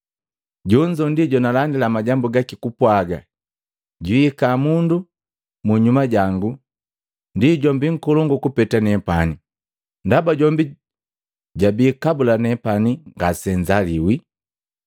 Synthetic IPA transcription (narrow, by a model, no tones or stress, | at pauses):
ɟɔɲd͡ʒɔndiɟɔnalandilamaɟambuɡakikupwaɡa | ɟiikamundu | muɲumaɟaŋɡu | ndiɟɔmbiŋ̩kɔlɔŋɡɔkupɛtanɛpani | ndabaɟɔmbi | ɟabiːkabulanɛpaniŋɡasɛɲd͡ʒaliwi